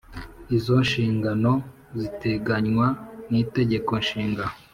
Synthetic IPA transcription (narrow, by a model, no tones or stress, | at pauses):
izo̞nʃiːŋɡano̞ | zite̞ɡaɲwaniːte̞ɟe̞ko̞nʃiːŋɡao